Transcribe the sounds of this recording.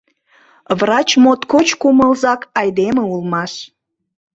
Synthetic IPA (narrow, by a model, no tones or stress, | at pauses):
βrɑt͡ɕmot̪kot͡ɕkuməlzɑkɑjd̪eməulmɑʃ